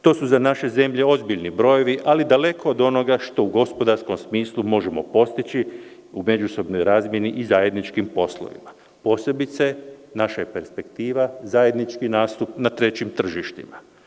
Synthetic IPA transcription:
t̪o̞ːsuzanaʃe̞ze̞mʎe̞o̞zbiʎnibɾo̞jeʋiʔalid̪ale̞kʰo̞ːd̪o̞no̞ɡaʃt̪o̞uɡo̞spo̞d̪aɾsko̞msmiːslˠumo̞ʒemo̞̰po̞st̪it͡ɕi | ume̞d͡ʒuso̞bnojɾaːzmje̞niʔizaːje̞d̪nit͡ʃkimpo̞slˠo̰ʋḭma | po̞ːse̞bit̪senaʃajepe̞ɾspe̞kt̪iːʋazaje̞d̪nit͡ʃkinaːst̪upnat̪ɾe̞t͡ɕimt̪r̩ʒiʃt̪ḭma

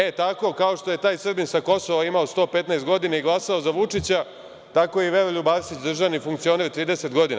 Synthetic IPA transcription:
e̞t̪ako̞kaoʃt̪o̞je̞t̪aːjsr̩binsako̞soʋaimaost̪o̞ːpe̞t̪naest̪ɡo̞d̪inaiɡlˠasao̞zaʋut͡ʂit͡ɕa | t̪ako̞iʋeɾoʎubaːsit͡ɕd̪r̩ʒaʋnifuŋkt̪sio̞neɾt̪ɾiːd̪ese̞t̪ɡo̞d̪ina̰

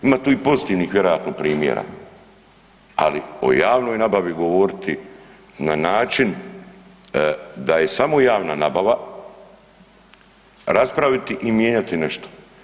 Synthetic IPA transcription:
imaːt̪uːipo̞zit̪iːʋniːxʋje̞ɾo̞jaːt̪no̞pɾiːmjḛɾa̰ | a̰lio̞̰jaːʋno̞jnabaʋiɡo̞ʋo̞ɾit̪ʰi | nanaːt͡ʃin | d̪aje̞samo̞jaːʋnanabaʋa | ɾaspɾaʋit̪iʔimjeːɲat̪ineʃt̪o̥

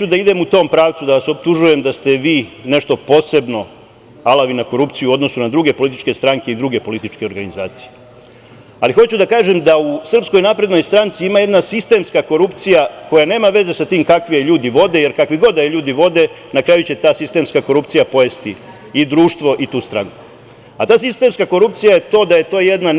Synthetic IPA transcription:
ud̪aid̪e̞mut̪o̞ːmpɾaːʋt̪sud̪aʋaso̞p̚t̪uʒuje̞md̪ast̪e̞ʋiːneʃt̪o̞po̞ːse̞bno̞ | alaʋinako̞ɾup̪sijuo̞d̪no̞sunad̪ɾuɡe̞po̞lit̪̬i̥t͡ʃke̞st̪ɾaŋke̞id̪ɾuɡe̞po̞lit̪it͡ʃke̞o̞ɾɡanizaːt̪sije | alixo̞t͡ɕud̪akaːʒe̞md̪ausr̩psko̞jnapɾed̪nojst̪ɾant̪siimaje̞d̪nasist̪e̞mskako̞ɾupt̪sijako̞jane̞ːmaʋe̞ze̞sat̪iːmkakʋijeʎuːd̪iʋo̞d̪e̞je̞ɾkakʋiɡo̞d̪ajeʎuːd̪iʋo̞d̪e̞ | nakɾaːjut͡ɕe̞t̪aːsist̪e̞mskako̞ɾupt̪sijapo̞jest̪iː | d̪ɾuːʃt̪ʋo̞ʔit̪uːst̪ɾaŋku̥ | at̪aːsist̪e̞mskako̞ɾupt̪sijaje̞t̪o̞d̪aje̞t̪o̞ːjed̪na

